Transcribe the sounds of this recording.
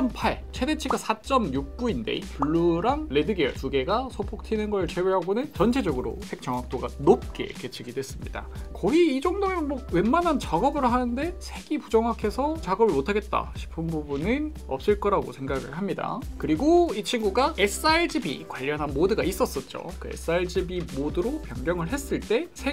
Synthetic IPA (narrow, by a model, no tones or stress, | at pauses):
ʌmpʰaɭ | t͡ɕʰe̞de̞t͡ɕʰiɡasʰat͡ɕ͈ʌmjuk̚p͈uinde̞̰ipuɭːuɾaŋle̞dɯɡiʌɭtuɡe̞ɡasʰopʰok̚tʰinɯnɡʌɾɯɭt͡ɕeweɦaɡonɯnt͡ɕʌnt͡ɕʰe̞d͡ʑʌɡɯɾo̰sʰe̞k̚t͡ɕ͈ʌŋwak̚t͈oɡanop̚k͈e̞̰ke̞t͡ɕʰiɡidwe̞s͈ɯmɲida̰kʌɡiːd͡ʑʌŋdoŋeɯnmowe̞nmanɦant͡ɕaɡʌbɯɾoɦanɯnde̞sʰe̞ɡipud͡ʑʌŋwakʰe̞sʰʌt͡ɕaɡʌbɯɭmotʰaɡe̞t̚t͈a̰ɕʰi̥pʰɯnbubunɯn | ʌp̚s͈ɯɭk͈ʌɾaɡo̰sʰe̞ŋɡaɡɯ̰ɭhamɲida̰kɯɾiɡoit͡ɕʰinɡuɡaes͈aeɭd͡ʑibḭkwaʎːʌnɦanmodɯɡais͈ʌs͈ʌt̚t͡ɕ͈o̰kɯe̞̰s͈ɯaeɭd͡ʑibimodɯɾopjʌŋɡjʌŋɯɭɦe̞s͈ɯɭt͈e̞sʰe̞